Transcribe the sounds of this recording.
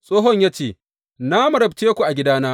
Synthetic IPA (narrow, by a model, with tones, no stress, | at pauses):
sʼoː˦ɦɔ˦ɲjaː˦t͡ʃeː˨ | naː˦mɐ˨ɾɐ˨bteː˦kʷu˨ʔa˨ɡʲɪ˦daː˦naː˦